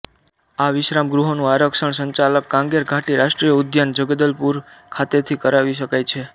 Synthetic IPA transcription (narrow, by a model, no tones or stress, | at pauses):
aʋɪʃɾamɡɾuɦonũaɾəkʃəɳsəɲt͡ʃaləkːãŋɡeɾɡʱaʈiɾaʃʈɾijəud̪jand͡ʒəɡd̪əlpuɾkʰat̪et̪ʰikəɾaʋiʃ̬əkajt͡ʃʰe